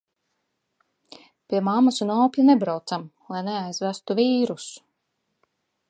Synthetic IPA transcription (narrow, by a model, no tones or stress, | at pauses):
pʲiɛmamasunɔːplanebɾawt̪samlˠajneajzvæst̪uviːɾus